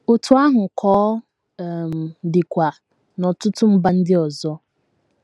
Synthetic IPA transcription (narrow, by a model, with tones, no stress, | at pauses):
o˨tʊ˦a˦ɦʊ˨kʰɔː˦˨ | m˨dɪ˨kʷa˨ | nɔ˨tʊ˦tʊ˦m̩˦ba˦n̩˦dɪ˦ɔ˨zɔ˦